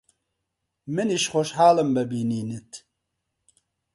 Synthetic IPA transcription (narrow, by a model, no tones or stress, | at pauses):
mɨniʃxoʃhaːləmbəbiːniːnit̪ʰ